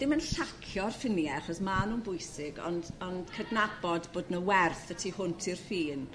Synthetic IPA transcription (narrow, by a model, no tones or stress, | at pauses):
d̥ɪmənɬakʰjɔrfɪnjɛaɬɔsmaːnunbʊɨsɪɡɔ̰ndɔnd̥kʰədnabɔdboːdnəwɛrθətʰihʊntʰirfiːn